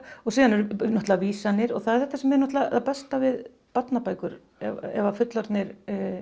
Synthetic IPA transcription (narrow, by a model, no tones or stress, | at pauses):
ɔɣsiːðanɛɾnɔht̪lvaviːsanːɪɾɔɣθaðɛɾθɛht̪asɛmɛɾnɔht̪laðapɛst̪avɪð | pat̪napaːjkʏɾ | ɛɛvafʏt̪lɔɾt̪nɪɾ